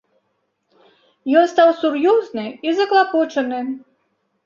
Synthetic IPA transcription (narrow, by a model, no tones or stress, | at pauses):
jɔnst̪awsurjɔznɨizɐklˠapɔt͡ʂɐnɨ